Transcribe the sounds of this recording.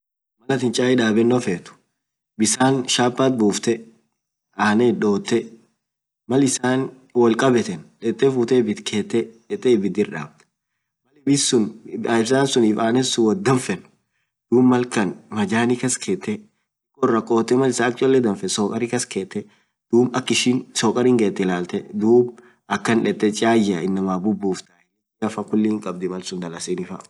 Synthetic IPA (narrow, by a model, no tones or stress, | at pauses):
mɐlɐt̪ɪnt͡ʃʼaːɪᶑaːbɛnːɔfeːt̪ʊ̥ | bɪsaːnʃaːpːaːt̪̚buːft̪ɛ | aːneᶑo̞ːt̪ːɛ | mɐlɪsaːn | wɐlkʼɐbɛt̪ɛnᶑɛt̪ʼːɛfuːt̪ɛbɪt̪kʰeːt̪ːɛᶑɛt̪ʼːɛbɪd̪ɪɾᶑa̰ːbt̪ɛ̥ | mɐlɪbɪsʊnɪsaːnsʊniːfaːnɛsʊwɔd̪ɐɱfɛnʊ | d̪̥uːbmɐlkɐnmɐd͡ʒaːnɪkɐskʰeːt̪ːɛ | ɐkːɔrːɐkʼoːt̪ːɛmɐlɪsaːk̚t͡ʃʼɔlːɛd̪ɐɱfɛsɔːkʼɐɾɪkɐskeːt̪ːɛ | d̪̥uːbɐkːɪʃɪnsɔːkʼɐɾɪŋɡeːt̪ːɛlaːlt̪ɛd̪uːb | ɐkːɐnᶑɛt̪ːɛt͡ʃʼaːjɪɐɪnːɐmaːbʊbːuːft̪ɐɪ | ɡɐfɐkʊlːɪːŋkʼɐb̚d̪ɪmɐlsʊnd̪ɐlɐsinɪfɐ